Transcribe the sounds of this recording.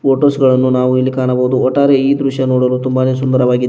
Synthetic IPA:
pʰoːʈoːsɡɐɭɐnːunaːʋuilːikaːɳɐboːud̪uɔʈːaːɾeiːd̪ɾuʃjɐnoːɽɐlut̪umbaːne̞ːsund̪ɐɾɐʋaːɡi

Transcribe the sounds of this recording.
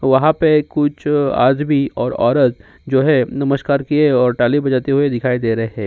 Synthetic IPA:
ʋɐɦãpekʊt͡ʃʰa̰ːd̪biɔːɾɔ̰ːɾət̪ | d͡ʒoːɦɛnɐməʃkaːɾkieɔːɾʈaːlibɐd͡ʒaːt̪eɦued̪ɪkʰaːid̪eːɾɐɦeɦɛ̃ː

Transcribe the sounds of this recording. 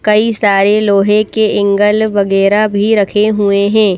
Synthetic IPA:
kɐisaːɾeloːɦẽkeɪ̃ŋɡəlʋɐɣɛːɾabʱiɾɐkʰeɦueɦɛ̃ː

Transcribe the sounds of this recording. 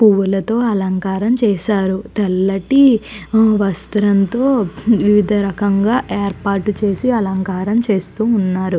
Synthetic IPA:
puʋulɐt̪o̞ːɐlɐŋkaːɾɐmt͡ʃɛːʃaːɾut̪ɛlːɐʈi | ʋɐst̪ɐɾɐnt̪o̞ːʋiʋid̪ʱɐɾɐkɐŋɡaːʔeːɾpaːɾʈut͡ʃe̞ːsiɐlɐŋkaːɾɐmt͡ʃe̞ːst̪uːnːaːɾu

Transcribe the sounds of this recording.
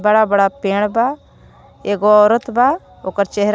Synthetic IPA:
bəɽabəɽapeːɽ̃ba | eːɡoɔːɾət̪ʰba | oːkəɾt͡ʃɛɦɾ

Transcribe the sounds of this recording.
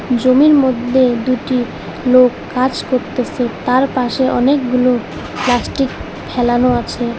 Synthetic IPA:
d͡ʑomiɾmod̪ʱːed̪uʈi | lokːad͡ʑkoɾt̪et͡ɕʰet̪aɾpaʃeʔɔ̰nekɡulo | plasʈik | pʰɛlanoat͡ɕʰe

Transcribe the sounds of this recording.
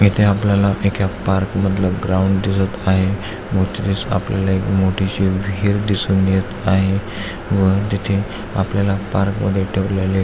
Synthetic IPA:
it̪ʰeapljalaʔekjapaɾkməd̪ʱləɡɾauɳɖd̪isət̪aɦe | mʱot͡sɾiːt͡sa̰pljalaekmoʈʰiɕiʋʱiːɾd̪isuːnɡjet̪aɦe | ʋət̪it̪ʰe | a̰pljalapaɾkmə̰d̪ʱːjeʈʰəʋlale

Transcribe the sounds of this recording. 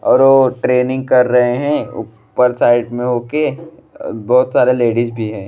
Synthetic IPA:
ɔːɾʋoːʈɾeːnɪ̃ŋɡ̚kɐɾːɐɦeɦɛ̃ʊ̰ | pəɾsaːɪʈmẽɦoːke | bɔːʊt̪saːɾeleːɖizbʱiɦɛ̃ː

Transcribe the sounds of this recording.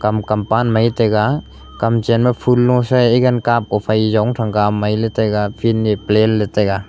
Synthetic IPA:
kamkampanmajtejɡa | kamt͡ʃenmapʰulːɔsaeɡankap̚ɔpʰajzawŋtʰaŋkamajletajɡapʰinːiplenleteɡa

